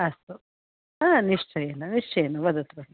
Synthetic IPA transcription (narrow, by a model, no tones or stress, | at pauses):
ɐst̪u | aːniʂt͡ʃɐjeːnuniʂʈɐeːnuʋɐd̪ɐt̪ɾɐ